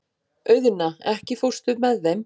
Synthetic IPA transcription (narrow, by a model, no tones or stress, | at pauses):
œɥðɪnaɛhcɪfow̥st̪ʏmɛðːejm